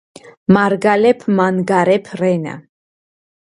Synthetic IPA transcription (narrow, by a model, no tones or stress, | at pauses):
maɾɡalɛpʰmanɡaɾɛpʰɾɛna̰